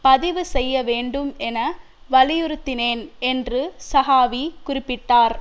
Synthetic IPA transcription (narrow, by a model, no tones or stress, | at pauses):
pɐðɪʋɯsɛjːɐʋeːɳɖɯmʔɛnɐ | ʋɐlɪjɯɾɯt̪ːɪneːnɛndrɯsɐɣaːʋikʊrɪpːɪʈːaːɾ